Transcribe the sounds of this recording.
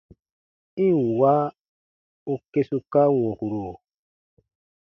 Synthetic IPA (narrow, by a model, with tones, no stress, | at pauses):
ĩ˦˨wa˦ | o˧ke˦su˧ka˦wɔ̃˨hu˨ɾo˨